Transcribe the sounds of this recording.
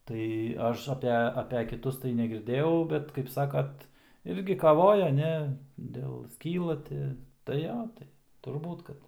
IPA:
tɐɪ ˈɐʃ ɐˈpʲɛ ɐpʲɛ kʲɪˈtʊs tɐɪ nʲɛɡʲɪrʲˈdʲeːjɛʊ ˈbʲɛt kɐɪp ˈsɑːkɐt ˈɪrʲɡʲɪ kɐˈʋoːjɛ ˈnʲɛ ˈdʲeːlˠ ˈsʲkʲiːlˠɐ ˈtʲɪ tɐɪ ˈjoː ˈtɐɪ tʊrˈbuːt ˈkɐt

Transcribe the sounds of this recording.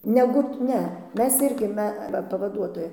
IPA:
ˈnʲæːɡʊ ˈnʲɛ ˈmʲɛs ˈɪrʲɡʲɪ ˈmʲɛ ˈʋɐ pɐʋɐˈduɔtoːjɛ

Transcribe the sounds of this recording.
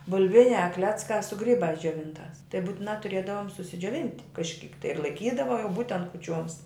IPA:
bʊˈlʲʋʲɪnʲæː ˈklʲæːt͡skɑː sʊ ˈɡrʲiːbɑːs d͡ʒʲoːˈʋʲɪntɑːs tɐɪ buːtʲɪˈnɑː tʊˈrʲeːdɐʋoːm sʊsʲɪd͡ʒʲoːˈʋʲɪnʲtʲ kɐʃʲˈkʲiːk ɪr lˠɐɪˈkʲiːdɐʋɐ jɛʊ ˈbuːtʲɛnt kʊˈt͡ʃʲoːms

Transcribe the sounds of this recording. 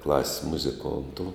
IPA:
klˠɐsʲsʲ mʊzʲɪˈkoːntʊ

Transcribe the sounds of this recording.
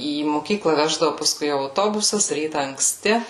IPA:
iː moːˈkʲiːklˠɐ ˈʋʲæːʒdɐʋʊ pɐˈskʊɪ ɐʊˈtoːbʊsɐs ˈrʲiːtɐ ɐŋkˈsʲtʲɪ

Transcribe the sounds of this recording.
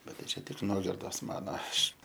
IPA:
ˈbʲɛt tɐɪ ˈt͡ʃʲɛ tʲɪk ˈnuɔɡʲɪrdoːs ˈmɑːnoː ˈɐʃ

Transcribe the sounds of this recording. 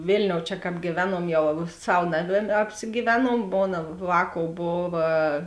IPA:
ˈʋʲeːlʲnʲoːʊ t͡ʃʲɛ ˈkɑːp ɡʲiːˈʋʲæːnuɔm ˈjɛʊ ˈsɐw ˈnɑːˌmʲeː ɐpʲsʲɪɡʲiːˈʋʲæːnuɔm ˈmoːnɐ ˈʋɑːˌkoːʊ ˈboːʋɐ

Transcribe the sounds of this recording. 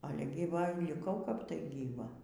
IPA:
ˈɑːlʲɛ ɡʲiːˈʋɐ lʲɪˈkɐʊ kɐp tɐɪ ɡʲiːˈʋɐ

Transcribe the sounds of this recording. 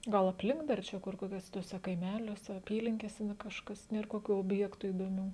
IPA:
ˈɡɐlˠ ɐpʲˈlʲɪŋk dɐr ˈt͡ʃʲɛ kʊr koːkʲuɔˈsʲɛ tuɔˈsʲɛ kɐɪˈmʲæːlʲuɔsʲɛ ɐˈpʲiːlʲɪŋʲkʲeːsʲɛ nɐ ˈkɑːʃkɐs ˈnʲeːr koːˈkʲuː oːbʲˈjæːktuː iːdoːˈmʲuː

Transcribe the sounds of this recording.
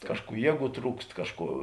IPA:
ˈkɑːʃˌkuː ˈjiɛˌɡuː ˈtruːkst ˈkɑːʃˌkuː

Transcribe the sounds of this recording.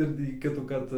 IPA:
ɪr tʲiː ˈkʲɪtuːkɐrt

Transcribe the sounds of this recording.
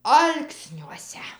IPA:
ˈɐlˠksʲnʲuɔsʲɛ

